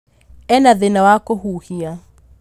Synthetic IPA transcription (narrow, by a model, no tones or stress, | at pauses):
ɛnaðenawakohuhia